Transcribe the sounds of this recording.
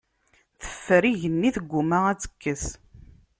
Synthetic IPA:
θə̥fːəɾiʝənːiθəɡʷːumaʁæt͡sːə̥kːəs

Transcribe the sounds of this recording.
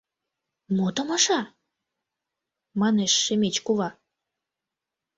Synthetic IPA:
mot̪əmɑʃɑ | mɑneʃːemet͡ɕkuβɑ

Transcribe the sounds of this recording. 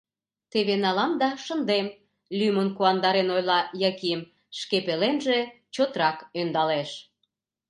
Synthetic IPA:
t̪eβenɑlɑnd̪ɑʃənd̪em | lʲymənkuɑnd̪ɑɾenojlɑjɑkim | ʃkepelenʒe | t͡ɕot̪ɾɑkønd̪ɑleʃ

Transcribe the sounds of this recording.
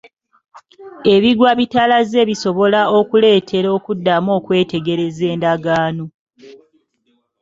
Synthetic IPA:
e̞βiɡwaβitalaze̞ːβiso̞βo̞laokule̞ːtʰe̞ɾo̞ːkudːamo̞ːkwe̞ːte̞ɡe̞ɾe̞ze̞ːndaɡaːno

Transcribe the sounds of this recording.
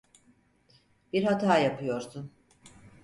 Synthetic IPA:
biɾhat̪ʰaːjapʰɯjo̞ɾd̪u

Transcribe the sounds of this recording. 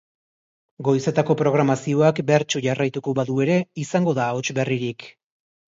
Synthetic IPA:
ɡo̞jse̞t̪ako̞pɾo̞ɣ̞ɾamasio̞akbe̞ɾt͡ʃuʝarajt̪uko̞βaðue̞ɾe̞isaŋɡo̞ðao̞t͡ʃbe̞riɾik

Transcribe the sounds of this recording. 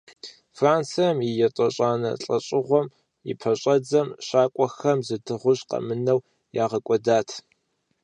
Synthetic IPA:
fraːnt͡sɨjɐmɪjɛtʼɐɕʼaːnɐ̰ɬʼɐɕʼɪʁʷɔm | ḭpʰɐɕʼɐd͡zɐmʃaːkʷʼɔxɐmzɨdɨʁʷʊɕqɐ̰mɨnɐw | jaːʁɐkʷʼɔdaːtʰ

